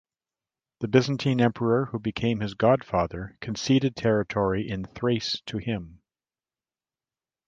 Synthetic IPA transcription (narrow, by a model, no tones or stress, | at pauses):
ðɨbɪzn̩tʰĩnɛ̃mpʰə˞ə˞hubɨkʰẽɪ̃mɨzɡɑd̥fɑðə˞kʰn̩siɾɨd̚tʰɛɹɨtʰɔɹiʔɪ̃nθɹeɪstʰɨɪ̃m